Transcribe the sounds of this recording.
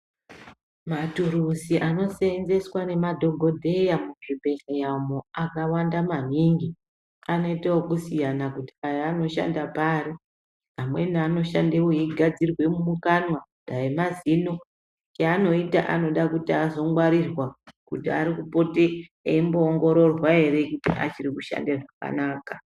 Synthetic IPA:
matuɾusiʔano̞senze̞swane̞madʱo̞ɡʱo̞dʱe̞jamuʐibʱe̞ɬajamoakawandamaniŋɡi | ano̞itawokusijanakuti̥ajaano̞ʃa̰ndapaːɾi | amwe̞niano̞ʃa̰ndewojiɡʱad͡zirwe̞mumukanwadʱaemazino̞ | t͡ʃaːno̞ita̰ʔano̞ɗakutiazo̞ŋɡwaɾirwakutiaɾikupo̞teeimbo̞ːŋɡo̞ɾo̞rwae̞ɾe̞kutiʔa̰t͡ʃirikuʃa̰ndeʐaka̰naːka

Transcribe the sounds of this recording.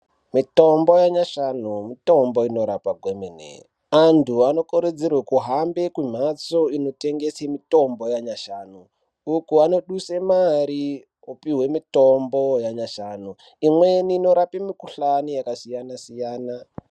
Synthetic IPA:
mito̞mbo̞jaɲaʃanumito̞mbo̞ino̞ɾapaɡʱwemenḛ | antʰuano̞kuɾed͡zirwekuɦambekwumʱat͡so̞ino̞te̞ŋɡe̞semito̞mbo̞jaɲaʃaːnuː | kuano̞ɗusemaɾi | opiɦwe̞mitombojaɲaʃanu | imweniːno̞ɾapemikuɬanijakasijanasijaːna

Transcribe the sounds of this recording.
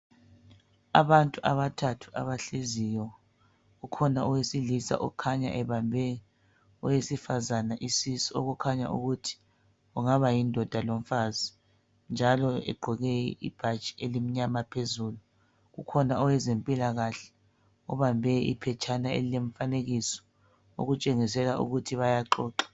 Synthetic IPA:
aβantʼuʔaβatʰatʰu̥ʔa̰βaɬezijɔ | ɣukʰɔnaɔwesilisa̰ʔɔ̰kʰaɲa̰ʔɛβambʱɛ | ɔjesifazanaʔisisiɔ̰ɣukʰaɲa̰ʔṵɣutʰi̥ | ɣuŋaβajindʱɔd̥ʱalom̩fazi | nd͡ʒʱalɔɛ̰ɡ͡ǃʱɔɣɛḭb̥ʱḁt͡ʃʼi̥elim̩ɲamapʰezulu | ɣukʰɔnaɔwɛzempʼilaɣaɬɛ̥ | ɔβambʱɛḭpʰɛt͡ʃʰanaḛlileɱfaneɣisɔ̥ | o̰ɣut͡ʃʼeŋisɛlaʔṵɣutʰiβajaǃɔːǃḁ

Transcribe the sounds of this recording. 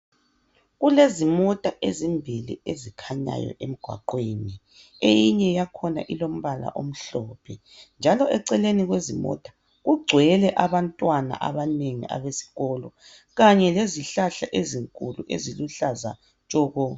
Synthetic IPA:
ɣulezimɔtʼaʔezimbʱilḭezikʰaɲa̰jɔ̰ʔem̩ɡ̥ʱwa̰ǃweni | ejiɲɛjakʰɔna̰ʔilom̩βala̰ʔom̩ɬɔpʰɛ | nd͡ʒʱalɔʔɛǀɛleniɣwezimɔ̰tʼḁ | ɣuɡ͡ǀʱwɛlɛʔaβantʼwana̰ʔaβaneŋḭʔa̰βesi̥ɣɔlɔ | ɣaɲɛleziɬaɬaʔeziŋkʼuluʔeziluɬaza | t͡ʃʼɔːɣɔ

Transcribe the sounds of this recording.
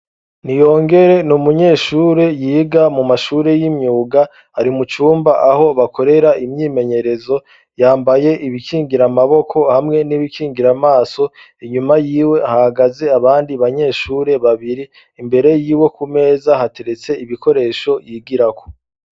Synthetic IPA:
nijo̞ːŋɡe̞ɾe̞numuɲe̞ːʃuːɾe̞jiːɡamumaʃuɾe̞jimɲuːɡa | haɾimut͡ʃuːmbaʔaho̞βakʰo̞ɾe̞ɾaʔimɲiːme̞ɲe̞ɾe̞zo̞ | jaːmbaje̞ʔiβikiːŋɡiɾamaβo̞kʰo̞hamŋe̞niβikiːŋɡiɾamaːso̞ | iɲumajiːwe̞hahaɡaze̞aβaːndiβaɲe̞ːʃuːɾe̞βaβiɾiː | mbe̞ɾe̞jiːwe̞kume̞ːzaɦate̞ɾe̞t͡se̞iβikʰo̞ɾe̞ːʃo̞jiːɡiɾakʰo̥

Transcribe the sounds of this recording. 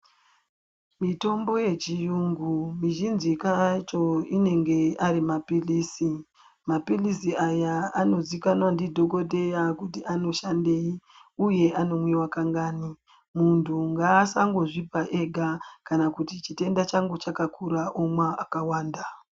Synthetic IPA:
mito̞mbo̞je̞t͡ʃijuŋɡumiʒinzikat͡ʃo̞ine̞ŋɡe̞aɾimapiliːsi | mapilisiajaano̞zwikanwandidʱo̞ko̞de̞jakutiʔano̞ʃande̞i | uje̞ʔano̞mwiwakaŋɡaːni | muntʰuŋɡaːsaŋɡo̞ʐipaʔe̞ɡʱakanakutit͡ʃite̞ndat͡ʃaŋɡot͡ʃakakuɾaʔomwaakawaːnda

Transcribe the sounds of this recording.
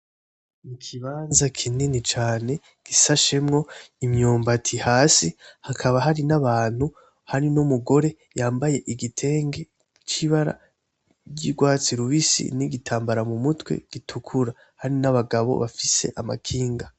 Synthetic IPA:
mikʰiβaːnzakʰininit͡ʃaːne̞ | ɡ̥isaʃe̞mŋo̞imɲoːmbatʰihaːsihakʰaβaɦaɾinaβaːn̥hu | haɾinumuɡo̞ɾe̞ | jaːmbaje̞ʔiɡitʰe̞ːŋɡe | t͡ʃiβaɾa̰ | bɟiɡwaːt͡siɾuβisḭniɡitʰaːmbaɾamumutwe̞̰ɡ̥itʰukʰuɾa | haɾinaβaɡaβo̞̰βafise̞̰ʔama̰kʰiːŋɡa

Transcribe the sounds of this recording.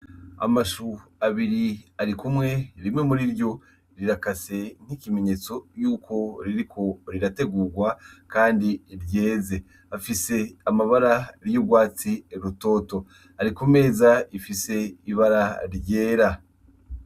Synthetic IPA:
a̰maʃuaβiɾiaɾikumŋe̞ɾimŋe̞muɾiɾjo̞ | ɾiɾakase̞n̥ikime̞ɲe̞t͡so̞juːkʰo̞ɾiɾikʰo̞ɾiɾate̞ɡuːɡwakaːndiɾje̞ːze̞ | afise̞amaβaɾaɾjuɡwaːt͡siɾuto̞ːto̞ | aɾikume̞ːzaifise̞iβaɾaɾɟe̞ːɾa

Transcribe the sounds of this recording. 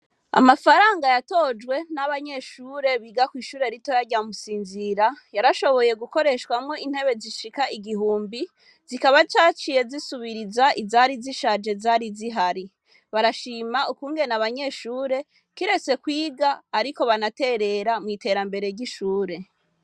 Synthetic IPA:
a̰mafaɾaːŋɡajato̞d͡ʒwe̞naβaɲe̞ʃuːɾe̞βiːɡakwiːʃuːɾe̞ɾito̞jaɟamusiːnziɾajaɾaʃo̞βo̞je̞ɡuko̞ɾe̞ʃkwamŋo̞in̥he̞βe̞ziʃikaiɡiɦuːmbi | zikaβat͡ʃaːt͡ʃije̞zisuβiɾizaʔizaɾiziʃad͡ʒe̞zaɾiziɦaɾi | βaɾaʃiːmaukuːŋɡenaβaɲe̞ʃuːɾe̞ | kiɾe̞t͡se̞kwiːɡaːɾiko̞βanate̞ɾe̞ɾamŋiːte̞ɾambe̞ɾe̞ɾɟiʃuːɾe̞

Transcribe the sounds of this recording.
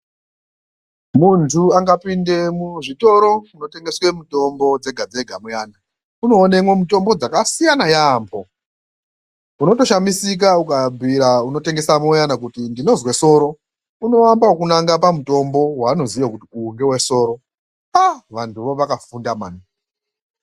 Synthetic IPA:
muntʰuaŋɡapinde̞muʐito̞ɾo̞uno̞te̞ŋɡe̞swe̞muto̞mbo̞d͡ze̞ɡʱad͡ze̞ɡʱamujana | uno̞ːnemwemuto̞mbo̞d͡zakasijanajaːmbʰo̞ | uno̞to̞ʃamisik̬aukabʱiɾauno̞te̞ŋɡe̞samojanakutindino̞zwe̞so̞ɾo̞ | uno̞wambawokunaŋɡapamuto̞mbo̞waːno̞zijakutiuŋɡe̞weso̞ːɾo̞ | aʋantʰuʋoʋakafundamaːni

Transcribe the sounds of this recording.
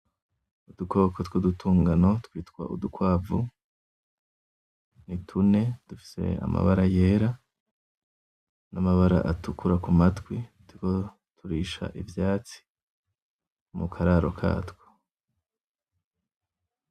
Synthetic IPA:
ud̥uko̞kʰotwodutʰuːŋɡano̞twiːtkwa̰ʔudukwaːvṵ | nitʰune̞d̥ufi̥se̞̰a̰ma̰βaɾaje̞ɾa | namaβaɾa̰ʔatukʰuɾakumatwitiko | tuɾiːʃa̰ʔivjaːt͡si̥ | mukʰaɾaɾo̞kʰa̰ːtwo̥

